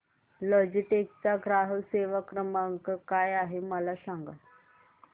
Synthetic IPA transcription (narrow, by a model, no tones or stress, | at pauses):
lɔd͡ʑiʈek̚t͡saɡɾaɦəʋseʋakɾəmaŋkkajaɦeməlasaŋɡa̰